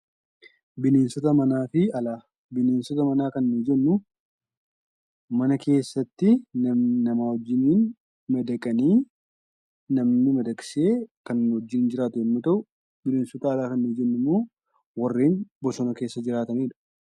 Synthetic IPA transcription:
bɪne̞ːnsɔt̪ɐmɐnaːfɪɐlaː | bɪne̞ːnsɔt̪ɐmɐnaːkɐnːiːd͡ʒɛnːʊ | mɐnɐkʰe̞ːsːɐt̪ːɪnɐnɐmaːwɔd͡ʒːɪniːn | mɐd̪ɐkʼɐniː | nɐmnɪmɐd̪ɐkʼɪ̥se̞ːkɐnːɪɔd͡ʒːɪnd͡ʒɪɾaːt̪ʊɛmːɐt̪ɐʔʊ | bɪneːnsɔt̪ɐːlaːkɐnːiːd͡ʒɛnːʊmːoː | wɐrːiːnbɔsɔnɐke̞ːsːɐd͡ʒɪɾaːt̪ɐniːᶑɐ̥

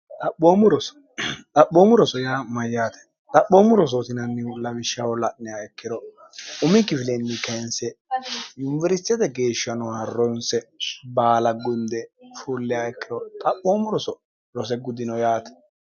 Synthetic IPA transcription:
t̪ʼɐɓːoːmʊɾɔsɔ̥ | t̪ʼɐɓoːmʊɾɔsɔjaːmɐjːaːt̪ɛ̥ | t̪ʼɐɓːoːmʊɾɔs̬ot̪ɪnɐnːɪwʊlɐbɪʃːawɔlɐʔnɛaɛkːɪɾɔ | ʊmɪkːɪfɪlɛnːɪkɐnsɛjʊnvɛɾɪst̪ːɪjɐt̪ɛɡe̞ːʃːɐnɔhɐrːɔnsɛbaːlɐɡʊnd̪ɛfulːɪaɛkːɪɾɔt̪ʼɐɓːoːmʊɾɔsɔ | ɾɔs̬ɛɡʊd̪ɪnɔjaːt̪ɛ̥

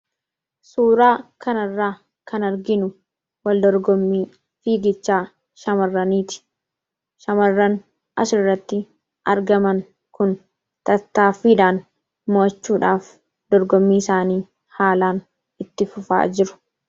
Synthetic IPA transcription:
suːɾaːkɐnɐrːaː | kɐnɐɾɡɪnʊ | wɐld̪ɔɾɡɔmːiː | fiːɡɪt͡ʃːaː | ʃɐmɐrːɐniːt̪ɪ̥ | ʃɐmɐrːɐn | ʔɐ̰sʊɪrːɐt̪ːɪ | ʔɐɾɡɐmɐŋ | kʊn | t̪ɐt̪ːaːfiːᶑaːn | moːt͡ʃːuːᶑaːf | d̪̥ɔɾɡɔmːiːɪsaːniː | haːlaːn | ɪt̪ːɪfʊfa̰ːd͡ʒɪɾʊ̥

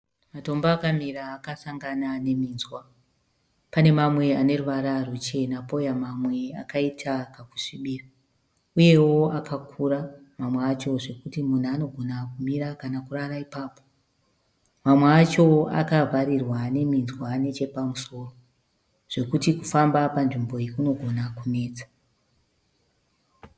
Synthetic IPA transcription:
mato̞mbaːkamiɾaːkasaŋɡanane̞miːnzwa | pane̞mamwe̞ane̞ruʋaɾarut͡ʃe̞napo̞jamamwe̞a̰kaitʰakaku̥ʂiɓiːra | uje̞wo̞akakʰuɾamamweat͡ʃo̞ʐe̞kutimun̤uano̞ɡʱonakumiɾakanakuraraipaːpo̞̥ | mamweat͡ʃo̞a̰kavʱaɾirwane̞minzwane̞t͡ʃe̞pamuso̞ːro | ʐ̥e̞kutikufambapanʐimbo̞ikuno̞ɡʱo̞nakune̞ːd͡zḁ

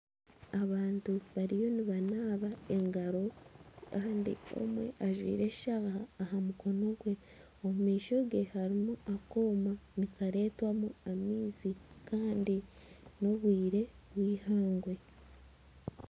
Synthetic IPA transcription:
aβaːntuβaɾijo̞niβanaːβaeŋɡaɾo̞kaːndḭo̞̰mwe̞̰ʔaʒwḭːɾe̞ʃʃaɣaːhamuko̞no̞ɡwe̞ | omumiːʃo̞ɡe̞haɾimuako̞ːmanikaɾe̞ːtwamuamiːzikʰaːndino̞βwiːɾe̞ | βwiːhaːŋɡwe̞

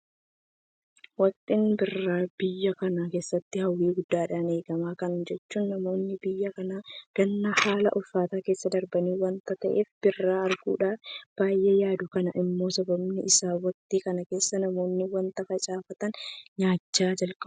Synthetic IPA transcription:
wɐt̪ʼɪnbɪrːaːb̥ɪjːɐkɐnake̞ːsːɐt̪ːɪhɐwːiːɡʊd̪ːaːᶑaːne̞ːɡɐmaːkɐnd͡ʒɛt͡ʃːuːnːɐmo̞ːnːɪbɪjːɐkɐnaːɡ̥ɐnːɐhaːlɐ̰ʔɔfːaːt̪aːkeːsːɐd̪ɐɾbɐniːwɐnt̪ɐt̪ɐʔe̞ːfb̥ɪrːaːɐɾɡṵːᶑaːb̥aːjʔeːjaːd̪ʊkɐnɐʔɪmːo̞ːsɐbɐbnɪɪsaːwɐt̪ʼiːkɐnɐke̞ːsːɐnɐmo̞ːnːɪwɐnt̪ɐfɐt͡ʃʼaːfɐt̪ɐnɲaːt͡ʃːaːd͡ʒɐlkʼɐb

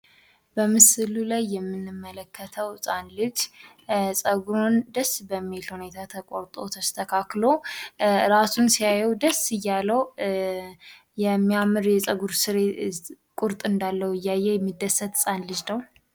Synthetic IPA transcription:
bəmɨslulajːɛmːɨnːɨmːələkʰːət̪ʰəwsʼanlɨd͡ʒ | sʼəɡuɾond̪əsbəmːilhune̞t̪ʰat̪ʰəkʼoɾt̪ʼo̰t̪ʰəst̪ʰəkʰaklo | ɾasunsijajɛwd̪əsɨjːalːəw | jɛmːiamɨɾjɛsʼəɡuɾsɨɾe | kʼʊɾt̪ʼɨnd̪alːəwɪjːajːɛjɛmːid̪ːəsːət̪sʼanlɨd͡ʒnəw

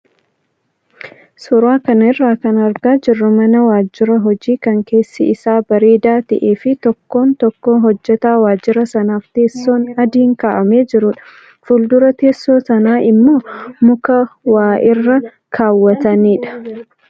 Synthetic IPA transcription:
sʊɾaːkɐnɪrːaːkɐnɐɾɡaːd͡ʒɪrːɐmɐnɐwaːd͡ʒːɪɾɐɦɔd͡ʒiːkɐŋke̞ːsːɪɪsaːbɐɾeːd̪aːt̪ɪʔeːfɪt̪ɔkːo̞ːnt̪ɔkːoːɦɔd͡ʒːɛt̪aːwaːd͡ʒːɪɾɐsɐnaːft̪e̞ːsːo̞ːnɐd̪iːŋkaːʔɐmeːd͡ʒɪɾʊᶑɐ̥ | fʊld̪ʊɾɐt̪eːsːoːsɐnaːʔɪmːo̞ːmʊkɐwaːʔɪrːɐ | kʰaːwːɐt̪ɐniːᶑɐ̥

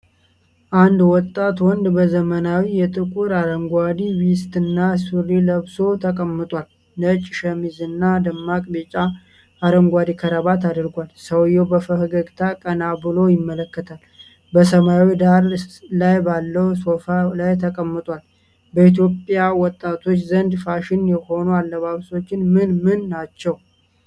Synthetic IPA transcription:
ʔand̪wɔt̪ʼːat̪wɔnd̪bəzəmənawijɛt̪ʼɨkʼuɾaɾəŋɡʷad̪iwist̪ɨnːasuɾiləβso̞t̪ʰəkʼəmːɨt̪ʼwʷal | nət͡ʃʼːɪʃəmizɨnːad̪əmːakʼbet͡ʃʼa | aɾəŋɡʷad̪ikʰəɾəβat̪ad̪ɨɾɡʷalsəwjːɛbəfəhɨɡəɡt̪ʰakʼənabɨlo̞jɪmːələkːət̪ʰal | bəsəmawid̪aɾlajbalːəwso̞falajt̪ʰəkʼəmːɨt̪ʼwal | bəit̪jo̞pʼjawɔt̪ʼːat̪ʰo̞t͡ʃːzənd̪faʃɪnjɛho̞nualːəβaβso̞t͡ʃːɪnmɨnmɨnːat͡ʃːɛw

